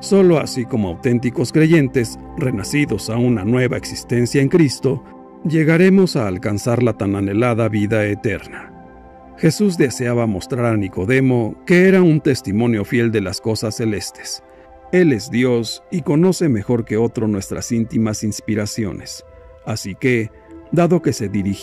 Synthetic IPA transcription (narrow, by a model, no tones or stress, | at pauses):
so̞lo̞a̰siko̞moawt̪e̞nt̪iko̞skɾe̞ʝe̞nt̪e̞s | re̞nasiðo̞saunanwe̞βae̞ksi̥st̪e̞nsjaeŋkɾist̪o̞ | ʝe̞ɣaɾe̞mo̞saːlkansaɾlat̪anane̞laðaβiðaet̪e̞ɾna | xe̞suz̬d̪e̞se̞aβamo̞st̪ɾaɾaniko̞ðe̞mo̞ke̞eɾaunt̪e̞st̪imõ̞njo̞fje̞ld̪e̞lasko̞sasːe̞le̞st̪e̥s | e̞le̞zd̪jo̞siko̞no̞se̞me̞xo̞ɾke̞o̞t̪ɾo̞nwe̞st̪ɾʔa̰sint̪imasinspiɾasjo̞̰nes | asike | d̪aðo̞ke̞se̞ðiɾi